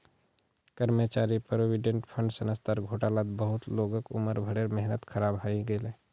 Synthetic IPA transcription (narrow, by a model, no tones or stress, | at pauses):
kəɾmət͡ʃaːɾipɾoʋiɖẽɳʈpʰə̃ɳɖsənəst̪aɾɡʱoːʈaːlaːt̪bəɦʊt̪loːɡəkʊ̰məɾbʱɐɽeɾmɛɦnət̪kʰɐɾaːbɦaiɡəleː